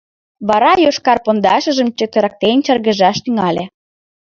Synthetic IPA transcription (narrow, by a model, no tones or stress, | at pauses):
βɑɾɑjoʃkɑrpond̪ɑʃə̆ʒə̆mt͡ɕøk̚t̪ə̆ɾɑk̚t̪ent͡ɕərɣə̆ʒɑʃt̪yŋɑlʲe